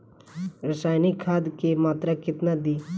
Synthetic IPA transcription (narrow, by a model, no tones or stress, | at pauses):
ɾəsaːjnikʰaːd̪kemaːt̪ɾakɪt̪nad̪iː